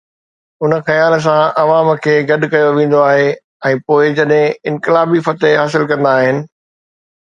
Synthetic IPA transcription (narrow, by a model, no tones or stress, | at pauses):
ʊnəxɐjaːls̬ãʔɐʋaːmkʰeːɡɐɗʊkɐjoʋẽːn̆d̪oaːɦe | ɛ̃ːpoːɪd͡ʑɐɗɦɪ̃ɪ̃nkɪlaːbiːfət̪eɦaːsɪlkɐ̃nd̪aːɦɪnɪ̆